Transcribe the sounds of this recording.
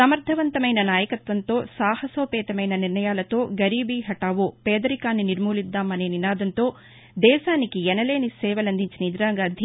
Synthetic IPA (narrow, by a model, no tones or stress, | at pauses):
sɐmɐɾd̪ʱɐʋɐnt̪ɐmɐjnɐnaːjɐkɐt̪ʋɐnt̪o̞ːsaːhɐsoːpɛːt̪ɐmɐjnɐniɾnɐjaːlɐt̪o̞ːɡɐɾiːbiɦɐʈaːʋuːpɛːd̪ɐɾikaːnːiniɾmuːlid̪ːaːmːɐneːninaːd̪ɐnt̪o̞ː | d̪ɛːʃaːnikiɛnɐleːnisɛːʋɐlɐnd̪iɲt͡ʃinɐid̪ɾaːŋɡɐːd̪ʱ